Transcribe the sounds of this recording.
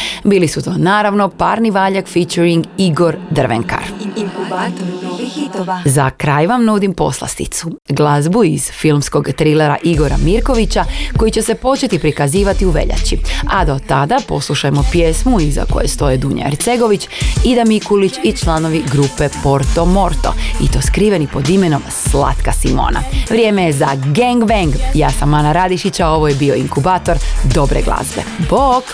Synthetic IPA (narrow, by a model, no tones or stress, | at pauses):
biːlisut̪o̞naːɾaʋno̞paːɾniʋaːʎakfit͡ʃuɾiŋɡiɡo̞ɾd̪r̩ʋḛŋka̰ɾa | zakɾaːjʋamnud̪impo̞̰slˠa̰st̪ḭt̪suɡlˠazbuiz̥filˠmsko̞ɡt̪ɾileɾa̰ʔiɡo̞ɾa̰miɾko̞ʋit͡ɕako̞jit͡ɕe̞se̞po̞t͡ʃe̞t̪ipɾikaziːʋat̪iuʋe̞̰ʎa̰t͡ɕia̰d̪o̞t̪ad̪apo̞̰slˠuʃajmo̞pje̞ːsmuiza̰ko̞̰je̞st̪o̞jed̪uːɲa̰eɾt̪se̞ɡo̞ʋit͡ɕid̪amikulit͡ɕit͡ʃlˠano̞ʋiɡɾupe̞po̞ɾt̪o̞mo̞ɾt̪o̞̰ḭt̪o̞ːskɾiːʋe̞nipo̞d̪ime̞no̞msla̰t̪kasimo̰ːna̰ʋɾʲje̞ːmejezaɡeŋɡʋeŋɡjaːsamːanaɾad̪iʃit͡ɕao̞ʋo̞jebio̞iŋkubaːt̪o̞ɾd̪o̞bɾḛɡlˠa̰ːsʋḛbok